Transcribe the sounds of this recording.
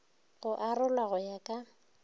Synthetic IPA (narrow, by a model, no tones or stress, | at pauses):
ɣʊʔarʊlwaɣʊjakʼa